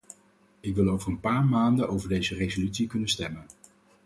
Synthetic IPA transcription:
ɪkʋɪlˠowvəɹənpaːɹmaːndənowvəɹdejzərezolytsikɵnənstɛmən

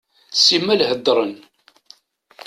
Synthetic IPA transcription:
simːælhəd̪ːɾˤən

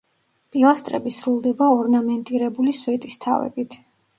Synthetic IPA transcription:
pʼilˠast̪ʼɾɛ̰bisɾulˠd̪ɛbaɔɾnamɛnt̪ʼiɾɛbulisvɛt̪ʼist̪ʰa̰vɛ̰bit̪ʰ

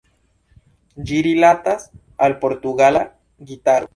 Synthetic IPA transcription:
d͡ʒiɾilat̪as | alpoɾt̪uɣala | ɡit̪aɾo

